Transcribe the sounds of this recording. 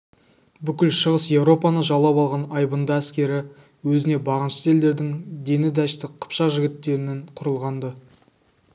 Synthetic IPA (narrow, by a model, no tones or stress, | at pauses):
bʏkʲɪlʃəʁəsje̞vɾo̞pɑnəʒɑlˠːɑpɑlˠʁɑnɑjbənd̪ɑæskʲe̞ɾɪ | wɵzɪne̞bɑʁənʃə̥t̪e̞ld̪e̞ɾd̪ɪŋd̪e̞nɪd̪æʃt̪ɪqʰə̥pʃɑʒɪɡʲɪt̪ːe̞ɾɪnɪɴqʰʊɾəlˠʁɑnd̪ə